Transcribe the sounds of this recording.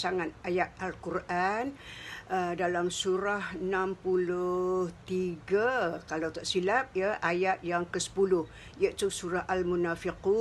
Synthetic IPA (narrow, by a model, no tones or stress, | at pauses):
saŋat̪̚ajat̪̚alkurʔanədalamsuɾahənampulʊht̪iɡakalawt̪aʔsilap̚jəʔajat̪̚jaŋkəsə̥pulʊh | jəʔt̪usuɾaɦʔalmunafiqu